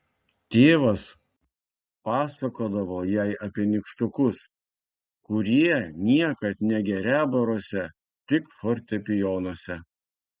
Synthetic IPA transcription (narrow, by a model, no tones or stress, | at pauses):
t̪ʲeːʋɐs | pɑːsɐkoːd̪ɐʋoːjæɪʔɐpʲiɛnʲɪkʃt̪ʊkʊs | kʊɾʲiɛnʲiɛkɐt̪nʲɛɡʲɛɾʲæːbɐɾoːsʲɛ | t̪ʲɪkfoɾʲt̪ʲɛpʲɪjoːnosʲɛ